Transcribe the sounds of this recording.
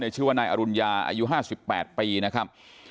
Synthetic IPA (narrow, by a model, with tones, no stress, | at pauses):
n˧˩t͡ɕʰɯː˥˩waː˥˩naː˧jʔa˧ɾu˧njaː˧ʔa̰ː˧ju˦˥ɦaː˥˩si˨˩pːɛ̰ː˨˩t̪̚piː˧na˦˥kʰa˦˥p̚